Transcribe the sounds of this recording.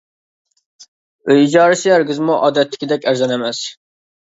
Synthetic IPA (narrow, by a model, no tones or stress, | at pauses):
øjid͡ʒɑːɾɪsɪjæɾɡʲizmuʔɑ̰ːd̪ɛt̪ʰlɪ̥kʲʰɪd̪ɛkʲæɾzɛnɛmɛs